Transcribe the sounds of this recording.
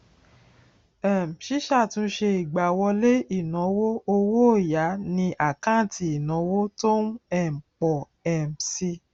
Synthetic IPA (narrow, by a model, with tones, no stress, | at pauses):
ɛ˨m̩˨ʃi˦ʃa˦˨tũ˧˦ʃe˧i˨ɡ͡ba˨wɔ˧le˦i˦˨nɔ̃˨˦wo˦o˧wo˦˨ja˨˦nĩ˧ʔa˨kã˦˨tʰi˧˨i˨nɔ̃˨˦wo˦to˦n˦ɛ˦˨m̩˨k͡pɔ˨ | ɛ˨m˨si˧